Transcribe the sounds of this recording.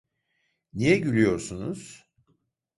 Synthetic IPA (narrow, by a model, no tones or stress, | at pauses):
nijɛɟylʲyjo̞ɾsunuz̥